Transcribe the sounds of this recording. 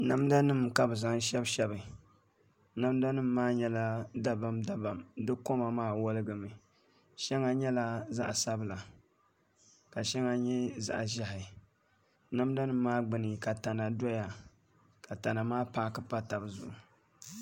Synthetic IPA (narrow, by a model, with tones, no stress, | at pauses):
na˦mda˦nɨ˦mka˨bɨ˨za˨˦ŋ˦ʃɛ˦bʃɛ˦bɨ˨ | na˦mda˦nɨ˦mːaː˦ɲɛ˦la˦da˦ba˨mda˦ba˨mdɨ˦ko˦ma˨maː˦˨wɔ˦lɨ˦ɡɨ˨mɨ˨ | ʃɛ˦ŋa˦ɲɛ˦la˦za̰˦ʔsa˦bla˨ | ka˨ʃɛ˦ŋa˦ɲɛ˦za̰˦ʔʒa˦hɪ˨ | na˦mda˦nɨ˦m̩ː˦aː˦ɡ͡bɨ˨nɨ˨ka˨ta˨na˨do˦ja˨ | ka˨ta˨na˨maː˦paː˦kɨ˦pa˦ta˨bzʊ̰˨ʔu˨